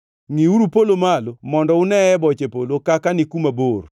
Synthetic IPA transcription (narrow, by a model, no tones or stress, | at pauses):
ŋiuɾupolomalomɔndɔʊnɛɛbɔt͡ʃepolokakanɪkumabor